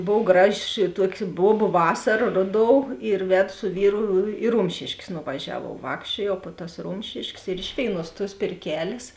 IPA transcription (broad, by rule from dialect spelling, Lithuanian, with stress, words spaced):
ˈboːw ˈɡrɑːˌʒʲɪ ˈtuɔkʲɪ ˈbuɔbʊ ˈʋɑːsɐrɐ ˈroːˌdoːʊ ɪr ˈʋʲæːdʊ sʊ ˈʋʲiːrʊ ɪ ˈrʊmʲʃʲeːʃʲkʲeːs nʊʋɐˈʒʲæːʋuɔw ˈʋɑːkʃʲt͡ʃʲuɔjɛʊ poː tɐs ˈrʊmʲʃʲɪʃʲkʲeːs ɪr ˈɪʃ ʋʲeːɪˌnuɔs tuɔs pʲeːrʲˈkʲæːlʲeːs